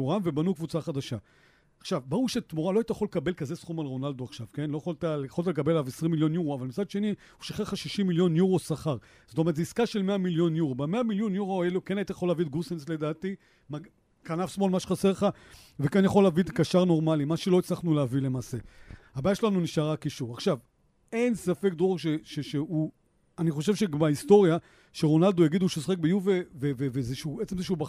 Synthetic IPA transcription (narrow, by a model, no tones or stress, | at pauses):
uʁamve̞banukvut͡saχad̪aʃa | aχʃavbauʁʃet̪moʁalo̞ajtajaχolekabe̞lkaze̞sχumalʁo̞nald̪oaχʃavke̞nlo̞jaχolt̪alejχo̞lt̪̬alekabe̞lavesʁimːiljo̞njuʁoavalmit͡sad̪ʃe̞ni | hu̥ʃiχelχaʃiʃimːiljo̞njuʁo̞saχaʁ | z̥ot̪omʁtzeiskaʃelmeamiljo̞njuʁobameamiljonjuʁoelokenajit̪ajaχo̞lavid̪ɡusensle̞d̪aːt̪i | ma | kanavsmo̞lmaʃeχaseʁleχa | vekanjaχo̞laːvid̪kaʃaʁno̞ʁmalimaʃelo̞it͡slaχnuleavile̞maːse̞abaːjaʃelanuniʃaʁakiʃuʁaχʃav | e̞nsafe̞k̚d̪ʁoeʃeʃeʃeu | aniχo̞ʃ̬e̞vʃeɡmaisto̞ʁja | ʃeʁo̞nald̪ojaɡid̪uʃesoχek̚bejuvevevevezeʃuet͡semzeʃ̬uba